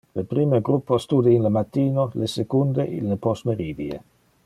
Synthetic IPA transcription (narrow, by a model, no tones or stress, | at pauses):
lepɾiːmeɡɾupːost̪uːd̪einlemat̪ːiːnolesekund̪eʔḭlːepɔsmeɾiːviḛ